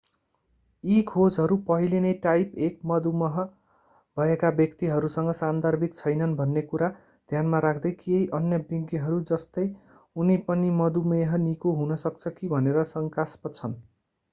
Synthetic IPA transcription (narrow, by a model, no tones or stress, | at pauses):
ikʰod͡zɦʌɾupʌɦilenʌjʈajpek̚mʌd̪umʌɦʌ | bʱʌekabjʌkt̪iɦʌɾusʌŋɡʌsand̪ʱʌrbʱik̚t͡sʰʌjnʌnbʱʌnːekuɾa | d̪̥ʱjanmaɾakʰd̪ʌjkiejʔʌnjʌbiŋɡiɦʌɾud͡zʌst̪ʌj | unipʌnimʌd̪umeɦʌnikoɦunʌsʌk̚t͡sʰʌkibʱʌneɾʌsʌŋkaspʌt͡sʰʌn